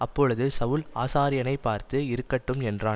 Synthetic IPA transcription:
ʔɐpːɔːɻɯðɯsɐʋʊlaːsaːɾɪjɐnɐɪpːaːɾt̪ɯɪɾɯkːɐʈːɯmɛndraː

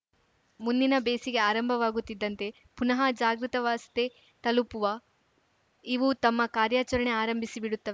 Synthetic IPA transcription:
mund̪inɐbeːsiɡe̞aːɾɐmbʱɐʋaːɡut̪ːid̪ːɐnt̪e̞ | punɐɦɐd͡ʒaːɡɾit̪ɐʋaːst̪e | t̪ɐlupuʋɐ | iʋut̪ɐmːɐkaːɾjaːt͡ʃɐɾɐɳe̞aːɾɐmbʱisibiɽut̪ːɐʋe

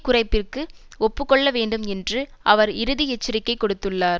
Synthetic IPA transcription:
kʊrɐɪpːɪrkɯɔpːɯkːɔɭːɐʋeːɳɖɯmɛndrɯʔɐʋɐɾɪɾɯðɪɛt͡ʃːɪɾɪkːɐɪkːɔɽɯt̪ːɯɭːaːɾ

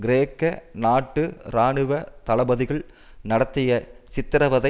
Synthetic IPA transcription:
ɡɪɾeːkːɐnaːʈːɯɾaːɳɯʋɐt̪ɐɭɐbɐðɪɣɐɭ | nɐɽɐt̪ːɪjɐsɪt̪ːɪɾɐʋɐðɐ

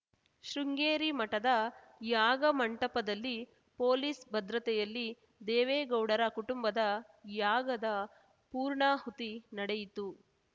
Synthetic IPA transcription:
ʃɾuŋɡeːɾimɐʈɐd̪ɐ | jaːɡɐmɐɳʈɐpɐd̪ɐlːi | poːlisbɐd̪ɾɐt̪ɛjɐlːi | d̪eːʋeːɡɐwɽɐɾɐkuʈumbɐd̪ɐ | jaːɡɐd̪ɐ | puːɾɳaːɦut̪inɐɽɛjit̪u

